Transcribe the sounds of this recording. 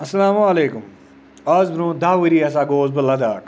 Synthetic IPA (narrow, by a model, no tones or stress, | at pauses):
ɐsɐlaːmuɐleːkʊm | ɐzbɾõːd̪aːʋiɾiɐsaːɡoːzbɐlɐd̪aːʈ